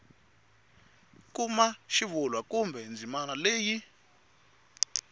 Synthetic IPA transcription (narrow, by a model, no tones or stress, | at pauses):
kumaʃivulwakumbʱɛnd͡zʱimanaleːji